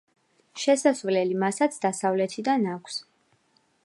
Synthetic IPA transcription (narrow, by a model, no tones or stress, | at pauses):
ʃɛsasvlɛlimasat̪sʰd̪asavlɛt̪ʰid̪anakʷʰs